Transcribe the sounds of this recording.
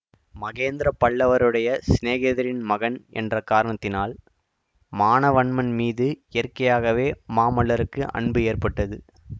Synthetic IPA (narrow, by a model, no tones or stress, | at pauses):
mɐɣeːnd̪ɪɾɐpːɐɭːɐʋɐɾɯɽɐjɐsneːɣeðɐɾɪnmɐɣɐɳʔɛ̰ndrɐkːaːɾɐɳɐt̪ːɪnaːl | maːnɐʋɐɳmɐnmiːðɯɪjɐrkɐjaːɣɐʋeːmaːmɐɭːɐɾɯkːɯʔɐ̰ɳbɯeːrpɐʈːɐðɯ